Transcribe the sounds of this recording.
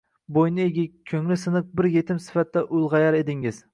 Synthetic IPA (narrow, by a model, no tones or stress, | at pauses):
bojnɪeɡʲɪkʲʰːɵŋlɪsɨnɨq̚bɪɾjet̪ʰɪmsɪ̥fat̪ʰːɛʔʊlˠʁɑjɑɾed̪ɪŋɪz̥